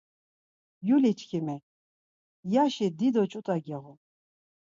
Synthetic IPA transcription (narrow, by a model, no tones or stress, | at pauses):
julit͡ʃʰkʰimɛ | jaʃid̪id̪ɔt͡ʃʼut̪ʼaɡɛʁɔ